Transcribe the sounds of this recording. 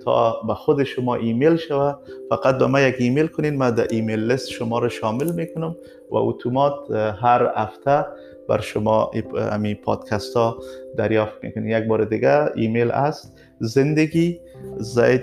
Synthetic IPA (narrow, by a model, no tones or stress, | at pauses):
t̪ʰɒ̰baxʊd̪ɪʃʊmɔʔimelʃawafaqat̪̚bamajaɡimelkʊnenmad̪aʔimelːɪst̪ʃʊmɔɾaʃɔmɪlmekʊnʊm | wa̰ṵt̪ʰumɔt̪ɦaɾha̰ft̪a | ba̰ɾʃʊmɔa̰mipʰɑ̰d̪kʰast̪ɔd̪aɾjɔft̪̚mḛkʊnenjaɡ̚bɔɾɪd̪ɪɡaḭmela̰st̪ | zɪnd̪aɡizaj